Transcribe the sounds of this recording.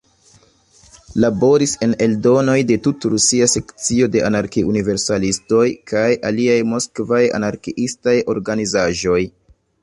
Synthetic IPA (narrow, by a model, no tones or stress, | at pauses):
labo̞ɾise̞ne̞ldo̞no̞jde̞tutɾusiase̞kt͡sio̞de̞ʔanaɾkiʔunive̞ɾsalisto̞jkajʔaliajmo̞skvaja̰naɾkiʔistajo̞ɾɡanizaʒo̞j